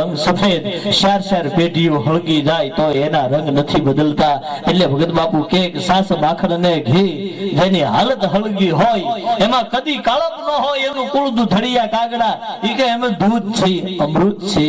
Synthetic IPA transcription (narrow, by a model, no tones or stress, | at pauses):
əŋsəfʰed̪ʃaɾʃeɾpeɖijũɦəɭɡid͡ʒajt̪oenaɾə̃ŋɡnət̪ʰibəd̪əlt̪aeʈlebʱəɡət̪bapukeksãsbakʰəɽneɡʱed͡ʒeniɦa̰lət̪ɦəɭɡiɦojemãkəd̪ikaləpnəɦojenũkuɽd̪ud̪ʱəɽijakãɡɽaikeemẽd̪ud̪̚t͡ʃʰeəmɾut̪t͡ʃʰe